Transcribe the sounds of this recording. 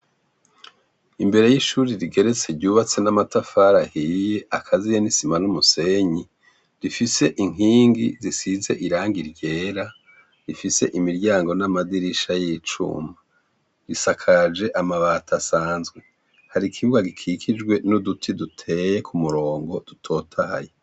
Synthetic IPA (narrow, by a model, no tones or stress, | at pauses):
imbe̞ɾe̞jiʃuːɾiɾiɡe̞ɾe̞t͡se̞ɾɟuːβat͡se̞namatafaɾahije̞ʔakʰazijenisimanumuse̞ɲi | ɾifise̞ʔiŋ̥iːŋɡizisize̞ʔiɾaːŋɡiɾɟe̞ːɾa | ɾifise̞̰ʔimiɾɟaːŋɡo̞namadiɾiʃajit͡ʃṵma | ɾisakʰad͡ʒe̞ʔamaβatʰasaːnzɡwe̞ | haɾikʰiβuɡaɡikʰikʰid͡ʒɡwe̞nudutʰidutʰe̞je̞kʰumuɾo̞ːŋɡo̞d̥utʰo̞ːtʰaha̰je